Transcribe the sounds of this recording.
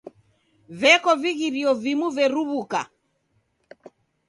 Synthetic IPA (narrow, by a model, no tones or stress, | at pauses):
vɛkɔviɣiɾiɔvimuvɛɾuβuka̰